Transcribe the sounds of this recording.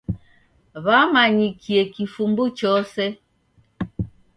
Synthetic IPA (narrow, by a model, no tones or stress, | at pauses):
βamaɲikʰiɛkifumbut͡ʃɔsɛ